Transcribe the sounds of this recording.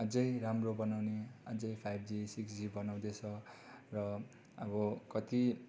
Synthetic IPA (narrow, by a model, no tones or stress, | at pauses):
ʌd͡zʌjramrobʌnawneʌd͡zʌjpʰajbʱd͡zisiksd͡zibʌnaw̃d̪et͡sʰʌrʌ | ʌbʌkʌt̪i